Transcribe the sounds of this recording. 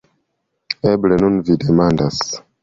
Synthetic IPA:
eble̞nunvide̞mandas

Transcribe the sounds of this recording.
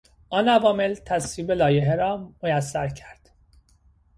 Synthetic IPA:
ʔɒːnævɒːme̞lt̪ʰæsviːbelɒːjeɦeɾɒːmojæsːæɾcʰæɾd̪̥

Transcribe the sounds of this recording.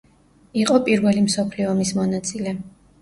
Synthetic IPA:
iqʼɔpʼiɾvɛlimsɔpʰliɔmismɔnat̪sʼilɛ

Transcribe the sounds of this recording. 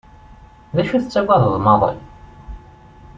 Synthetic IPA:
ðæʃuθət͡sːæwæðəðˤmɑðˤə̰l

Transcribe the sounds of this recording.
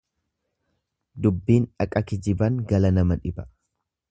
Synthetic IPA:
d̪ʊbːiːnᶑɐkʼɐkɪd͡ʒɪbɐŋɡɐlɐnɐmɐᶑɪbɐ̥

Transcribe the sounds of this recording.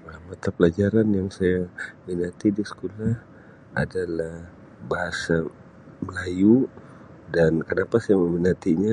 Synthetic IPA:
amat̪apəlad͡ʒaɾanjaŋsajaminat̪idisə̥kolah | a̰dalah | baɦasa | məlaju | dankənapasajaməminat̪iɲa

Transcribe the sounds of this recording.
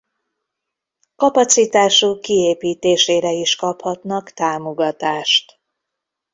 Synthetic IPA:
kɒpɒt̪sit̪aːʃukːieːpiːt̪eːʃeːɾɛiʃkɒphɒt̪nɒkt̪aːmoɡɒt̪aːʃt̪

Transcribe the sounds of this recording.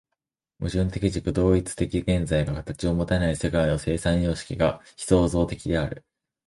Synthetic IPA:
mɯ̟ʑɨ̃nt̪e̞kʲiʑikɯ̟d̪o̞ːit͡sɨ̥t̪e̞kʲiɡẽ̞nd͡zaiɡakat̪at͡ɕio̞mo̞t̪anaise̞kaino̞se̞ːsãɰ̃jo̞ːɕi̥kʲiɡaçʲi̥so̞ːzo̞ːt̪e̞kʲid̪e̞aɾɯ̟

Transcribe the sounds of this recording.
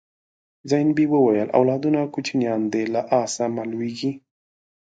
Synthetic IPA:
zajnbiwəwajəlʔa̰wlɑd̪unakut͡ʃinjɑnd̪elaʔɑsamalwiɡi

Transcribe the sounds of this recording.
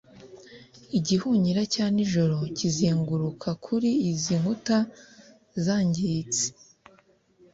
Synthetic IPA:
iɟihuɲiɾacaːniʒo̞ɾo̞cizeːŋɡuɾukʰakʰuɾiːziŋhuta | zaːɲɟit͡si̥

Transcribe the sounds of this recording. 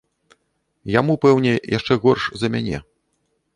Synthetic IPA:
jamupɛwnʲɛja̰ʂt͡ʂɛɣɔrʂzɐmʲanʲɛ̰

